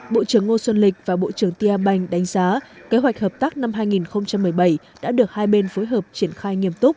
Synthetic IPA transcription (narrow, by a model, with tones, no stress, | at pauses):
ɓo̰˧˨t͡ɕɨ˧˩əŋːo˧swə˧nlï˨˩k̟̚vaː˨˩ɓo̰˧˨t͡ɕɨ˧˩əŋt̪i˧ʔaː˧ɓa˧jŋ̟ɗa˨˦jŋ̟zaː˨˦ke˨˦ɦwa˨˩jk̟̚həː˨˩p̚t̪aː˦˥k̚na˧mɦaː˧jŋi˨˩nxə˧wŋ͡mt͡ɕa˧mːɨ˨˩əjɓə˧˩j | ɗa̰ː˧˥ɗɨ˨˩ək̚haː˧jɓe˧nfo˨˦jɦəː˨˩p̚t͡ɕi˧˩ənxaː˧jŋi˧əmt̪ʊ˦˥k͡p̚